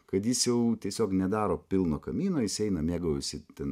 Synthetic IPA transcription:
kɐt̪jɪsjɛʊt̪ʲiɛsʲoːknʲɛd̪ɑːɾoːpʲɪlˠnoːkɐmʲiːnoːjɪsɛɪnɐmʲeːɡɐːɪsʲɪt̪ʲɛn

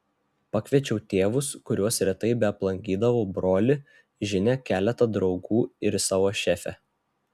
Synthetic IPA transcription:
pɑkʲʋʲiɛt͡ʃʲɛʊt̪ʲeːʋʊskʊɾʲuɔsɾʲɛt̪ɐɪbʲɛɐplˠɐŋʲkʲiːd̪ɐʋoːbɾoːlʲɪ | ʒʲɪnʲɛkʲæːlʲɛt̪ɐd̪ɾɒʊɡuːɪɾsɑːʋoːʃʲæːfʲɛ̰

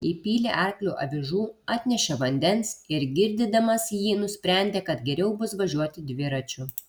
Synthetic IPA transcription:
iːpʲiːlʲeʔɛɾklʲuːʔɐ̰ʋʲɪʒuːɑːt̪ʲnʲɛʃʲɛʋɐnʲd̪ʲɛnsɪɾɡʲɪɾʲd̪ʲɪd̪ɐmɐsjiːnʊsʲpʲɾʲæˑnʲd̪ʲeːkɐt̪ɡʲɛɾʲɛʊbʊsʋɐʒʲuɔt̪ʲɪd̪ʲʋʲɪɾɐt͡ʃʲʊ

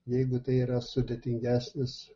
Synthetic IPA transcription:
jɛɪɡʊt̪ɐɪiːɾɐsʊd̪ʲeːt̪ʲɪŋʲɡʲæːsʲnʲɪs

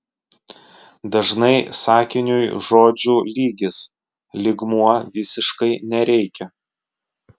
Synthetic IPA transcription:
d̪ɐʒnɐɪsɑːkʲɪnʲʊjʒoːd͡ʒʲuːlʲiːɡʲɪs | lʲɪɡmuɔʋʲɪsʲɪʃkɐɪnʲɛɾʲɛɪkʲɛ

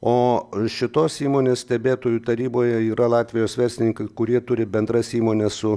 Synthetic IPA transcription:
oːʃʲɪt̪oːsiːmoːnʲeːssʲt̪ʲɛbʲeːt̪oːjut̪ɐɾʲiːboːjɛiːɾʔɐlˠɑːt̪ʲʋʲɪjoːsʋʲɛɾʲsʲlʲɪnʲɪŋkɐɪkʊɾʲiɛt̪ʊɾʲɪbʲɛnd̪rɐsiːmoːnʲɛssʊ

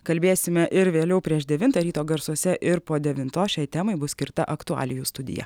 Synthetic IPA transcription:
kɐlʲbʲeːsʲɪmʲɛʔɪɾʋʲeːlʲɛʊpʲɾʲiɛʃd̪ʲɛʋʲɪnt̪ɐɾʲiːt̪oːɡɐɾsuɔsʲɛʔɪɾpoːd̪ʲɛʋʲɪnt̪oːʃʲɛɪjt̪ʲæmɐɪbʊsʲkʲɪɾt̪ɐʔɐkt̪ʊɑ̰ːlʲɪjuːst̪ʊd̪ʲɪ̰jɛ̰

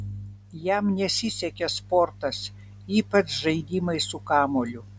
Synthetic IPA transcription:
jɛmnʲɛsʲɪsʲɛkʲɛspɔɾt̪ɐs | iːpɐt͡ʃʒɐɪd̪ʲiːmɐɪsʊkɑːmoːlʲʊ

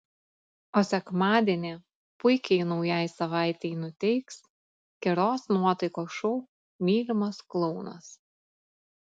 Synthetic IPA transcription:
oːsʲɛkmɑːd̪ʲiɛnʲe | pʊɪkʲɛɪnɒʊjæˑɪsɐʋɑˑɪt̪ʲɛɪnʊt̪ʲɛɪks | kʲɛɾoːsnuɔt̪ɐɪkoːʃɔʊ | mʲiːlʲɪmɐsklˠɔʊnɐ̰s

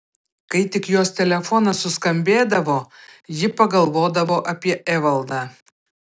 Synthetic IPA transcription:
kɐɪt̪ʲɪkjoːst̪ʲɛlʲɛfɔnɐsʊskɐmʲbʲeːd̪ɐʋoːjɪpɐɡɐlˠʋoːd̪ɐʋoːʔɐpʲiɛʔɛʋɐlˠd̪ɑː

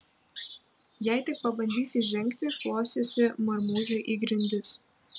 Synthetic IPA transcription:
jæɪt̪ʲɪk̚pɐbɐnʲd̪ʲiːsʲiʒʲɛŋʲkt̪ʲɪklˠoːsʲesʲɪmɐɾmuːzʲeʔiɡɾʲɪnʲd̪ʲɪs

